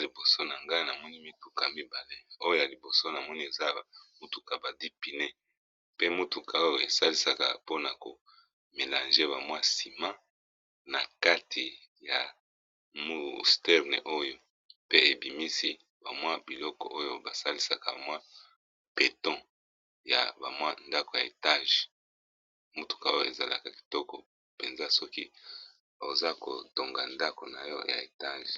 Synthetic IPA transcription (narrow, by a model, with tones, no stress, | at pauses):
li˨bo˨so˦na˨ŋɡa˦na˨mɔ˦ni˦mi˦tu˨ka˨mi˦ba˨le˦˨o˦jo˦ja˨li˨bo˨so˦na˨mɔ˦ni˦e˨za˦mu˦tu˨ka˨ba˨di˦pi˨ne˦ | pe˦mu˦tu˨kʰa˨o˦jo˨e˨sa˦li˦sa˦ka̰˨po˦na˨ko̰˨ | me˨lã˨nʒe˦ba˨mwa˦si˨mã˦ | na˨ka˦tʰi˨ | ja˨ | mu˦stɛ˦ʁnḛ˨ʔo˦jo˨ | pe˦e˨bi˨mi˦si˦ | ba˨mwa˦bi˨lɔ˦kɔ̰˨ʔo˦jo˦ba˨sa˦li˦sa˨ka˨ba˨mwa˦ | pe˨tɔ̃˦ | ja̰˨ba˨mwa˦nda˦ko˨ja˨e˨ta˦ʒ | mo˦tu̥˨ka˨o˦o˦e˨za˨la̰˨ka˨ki̥˨tɔ˦kɔ˨ | pe˨nza˦sɔ˦kḭ˦˨ | o˨za˦ko̰˨to˨ŋɡa˨nda˦ko˨na̰˨jɔ̰˦ja̰˨e˨ta˦ʒ